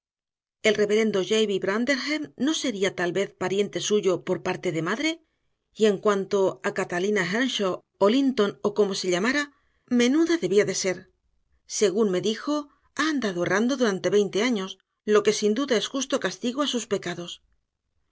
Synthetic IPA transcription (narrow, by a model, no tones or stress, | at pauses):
e̞lre̞βe̞ɾe̞nd̪oʝejβiβɾand̪e̞ɾxeɾno̞se̞ɾiat̪alβe̞θpaɾje̞nt̪e̞suʝo̞po̞ɾpaɾt̪e̞ðe̞maðɾe̞ | ie̞ŋkwant̪o̞akat̪alinaxanʃo | olint̪o̞no̞ko̞mo̞se̞ʎamaɾa | me̞nuðaðe̞βiaðe̞se̞ɾ | se̞ɣ̞unme̞ðixo̞ | aːnd̪aðoe̞rand̪o̞ðuɾant̪e̞βe̞jnt̪e̞aɲo̞s | lo̞ke̞sind̪uðae̞sxust̪o̞kast̪iɣoasuspe̞kaðo̞s